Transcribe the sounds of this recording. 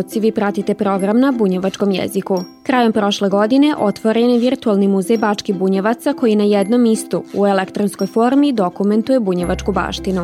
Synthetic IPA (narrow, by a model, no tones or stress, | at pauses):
t̪siʋiːpɾat̪it̪e̞pɾo̞ɡɾamnabuɲeʋat͡ʃko̞mjḛziku | kɾaːjo̞mpɾo̞ʃleɡo̞d̪ine̞ʔo̞t̪ʋoɾeniʋiɾt̪ualˠnimuzejbaːt͡ʂkibuɲeʋat̪sako̞jinajed̪no̞mist̪uuelekt̪ɾonsko̞jfo̞ɾmid̪o̞kume̞nt̪ujebuɲeʋat͡ʂkuba̰ːʃt̪inu